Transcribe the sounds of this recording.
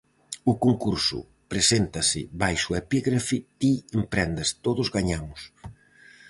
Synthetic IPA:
ʊkoŋkuɾsʊ̰ | pɾesent̪ɐsɪ̰βajʃʊepiɣɾafit̪iempɾɛnd̪ɐst̪oðʊzɣaɲamʊs

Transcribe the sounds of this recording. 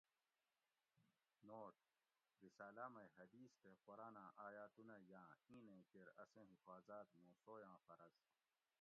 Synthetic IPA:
noːʈ̪̚ | ɾisaːlamɐjɦɐd̪iːsk̪eqoɾaːnãːʔaːjaːt̪unajãːĩːnẽkeɾɐsẽːɦifaːzaːt̪mõːsoːjãːfɐɾɐz

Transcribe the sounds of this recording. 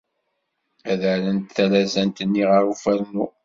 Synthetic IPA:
æðələnt̪θælæzænt̪ənːiʁaɾufæɾnu

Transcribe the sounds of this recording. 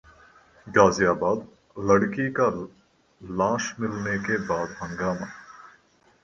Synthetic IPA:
ɡaːzijaːbaːd̪ | lɐɽkika | lãːʃmɪlnekebaːd̪ɦə̃ŋɡaːmaː

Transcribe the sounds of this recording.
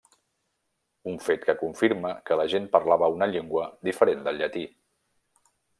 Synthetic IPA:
uɱfet̪kəkuɱfiɾməkələʒenpəɾlaβəunəʎeŋɡwəd̪ifəɾend̪əlˠʎət̪i

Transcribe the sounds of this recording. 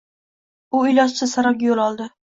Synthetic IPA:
ʊɪlɒʃt͡ʃʰɪsaɾɒɡʲjolˠɒlˠd̪ɪ

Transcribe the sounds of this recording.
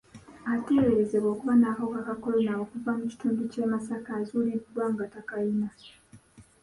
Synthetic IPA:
ateɾeɾezeβwo̞ːkuβanakakakakolonawokuvamuci̥tuːnducemasakazuliβdwaŋɡatakaina

